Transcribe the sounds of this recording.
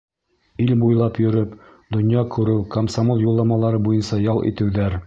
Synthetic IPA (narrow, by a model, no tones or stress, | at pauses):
ilbujlˠɑpjɵ̆ɾɘpd̪ŏnjɑkʉɾɘwkomsamolˠjulˠːɑmɑlˠɑɾɤbujɤnsɑjɑlˠʔḭt̪ɘ̆wðæɾ